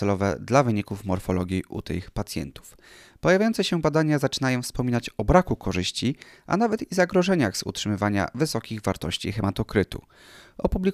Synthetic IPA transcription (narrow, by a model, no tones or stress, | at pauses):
ɛlɔvɛ̰d̪lavɘɲikufmɔɾfɔlɔɡʲjiʔṵt̪ɘ̰xpat̪sʲjɛ̰nt̪u̥f | pɔjavʲjajɔnt̪sɛɕɛbad̪aɲazat͡ʂɘnajɔ̃w̃fspɔmʲinat͡ɕɔbɾakukɔʐɘɕt͡ɕiʔa̰navɛt̪izaɡɾɔʐɛɲaɣzṵtʂɘmɘvaɲa̰vɘsɔkʲiɣvaɾt̪ɔɕt͡ɕḭxɛmat̪ɔkɾɘt̪ṵ | ʔɔpublʲi